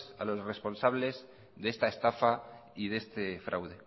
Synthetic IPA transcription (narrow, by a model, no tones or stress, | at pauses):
sa̰lo̞sre̞spo̞nsaβle̞z | ðe̞st̪aest̪afaiðe̞st̪efɾʔa̰wð̞e